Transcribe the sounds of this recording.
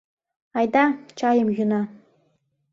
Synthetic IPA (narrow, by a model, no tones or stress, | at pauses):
ajd̪at͡ʃʰajəmjuna